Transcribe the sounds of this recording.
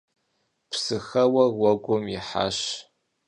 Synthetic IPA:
pʰsɨxɐwɐwɐɡʷʊmɪ̰ħa̰ʃ

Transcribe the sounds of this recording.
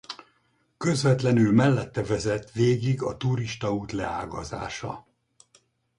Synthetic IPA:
kø̞zvɛt̪lɛnylmɛlːɛt̪ːɛvɛzɛt̪ʋeːɡiɡɒt̪uɾiʃt̪ɒuːt̪lɛa̰ːɡɒza̰ːʃɒ̰

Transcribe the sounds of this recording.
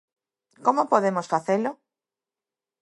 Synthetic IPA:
komopoðemosfaθelo

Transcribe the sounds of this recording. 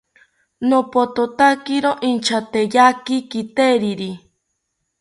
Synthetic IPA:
nopot̪ot̪akiɾoʔint͡ʃʰat̪ejakikit̪eɾiɾi

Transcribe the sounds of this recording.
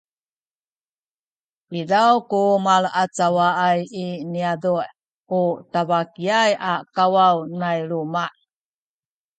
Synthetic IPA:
pidawkumaɭat͡sawaajiniaduʔ | utavakiajakawawnajlumaʔ

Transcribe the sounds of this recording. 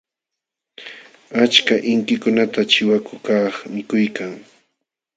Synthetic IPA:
at͡ʃkaʔɪŋkɪkʊnat̪at͡ʃɪwakʊkaχmɪkʊjkaŋ

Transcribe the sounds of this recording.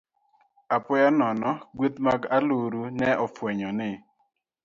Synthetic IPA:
apɔjanɔnɔɡwet̪maɡaluɾunɛʔɔfwɛɲɔnɪ

